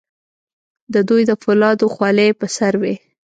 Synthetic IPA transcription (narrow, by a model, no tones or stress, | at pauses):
d̪əd̪ujd̪əfʊlɑd̪oxwɑlepəsaɾwe